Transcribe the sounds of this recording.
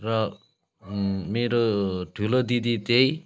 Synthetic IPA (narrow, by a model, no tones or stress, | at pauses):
rʌ | meɾoʈʰulod̪id̪it̪ej